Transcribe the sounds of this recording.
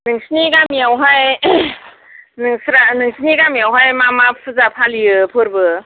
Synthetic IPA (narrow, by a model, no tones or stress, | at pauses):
nɯŋsɯniɡamijawɦaj | nɯŋsɾanɯŋsʰɯniɡamijawɦajmamapʰɯzapʰalijɯpʰɯɾbɯ